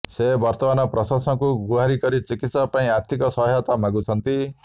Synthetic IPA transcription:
sebɔɾt̪ɔbanɔpɾɔsaskuɡuɦaɾikɔɾit͡sikit̪sapaĩaɾt̪ʰikɔsɔɦjɔt̪amaɡut͡ʃʰʌnt̪i

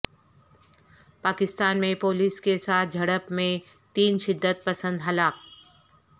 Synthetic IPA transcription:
paːkɪst̪aːnmẽpoːliskesaːt̪̚ʰd͡ʒʱɐɽəpmẽ | t̪iːnʃɪd̪ːət̪̚pɐsə̃nd̪ɦɐlaːk̚

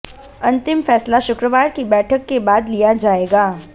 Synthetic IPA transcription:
ɐ̃nt̪ɪmfɛːslaʃʊkɾəʋaːɾkibɛːʈʰəkːebaːd̪lijad͡ʒaːeːɡaː

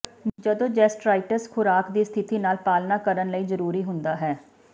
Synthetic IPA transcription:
d͡ʒəd̪õːd͡ʒɛːsʈɾaːɪʈəɾskʰʊɾaːkd̪iːst̪ʰɪt̪iːnaːlpaːlnaːkəɾənləiːzəɾuːɾiːɦʊnd̪aːɦɛː

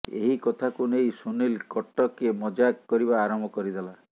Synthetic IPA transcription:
ḛɦikɔt̪ʰakunejsunilkɔʈːɔkemɔd͡ʒakkːɔɾibaːɾɔmbʱɔkɔɾid̪ela

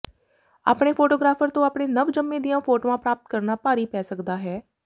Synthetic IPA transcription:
a̰ːpɳeːpʰoːʈoːɡɾaːfʰəɾt̪õːaːpɳeːnəʋd͡ʒəmːẽːd̪ijãːpʰoːʈoːãːpɾaːp̚t̪̚kəɾnaːpaːɾiːpɛːsəkd̪aːɦɛː

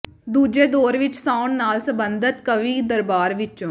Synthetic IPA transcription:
d̪uːd͡ʒeːd̪oːɾʋɪt͡ʃsaːʊɳnːaːlsəbənd̪ət̪kəʋiːd̪əɾbaːɾʋɪt͡ʃõː

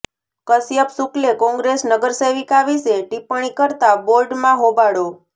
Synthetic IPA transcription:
kəsjəpsuklekɔ̃ŋɡɾesnəɡəɾseʋikaʋiseʈipəɽ̃ikəɾt̪aboɾɖmãɦobaɽo

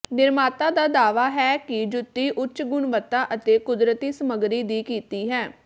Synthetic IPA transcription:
nɪɾmaːt̪aːd̪aːd̪aːʋaːɦɛːkɪd͡ʒʊt̪ːiːʔʊt͡ʃɡʊɳʋət̪ːaːʔət̪eːkʊd̪ɾət̪iːsəməɡɾiːd̪iːkiːt̪iːɦɛː

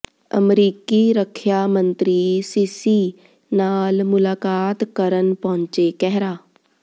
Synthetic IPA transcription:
ə̰mɾiːkiːɾəkʰːjaːmənt̪ɾiːsiːsiː | naːlmʊlaːkaːt̪kəɾənpɔ̃ːɲt͡ʃeːkɛɦɾaː

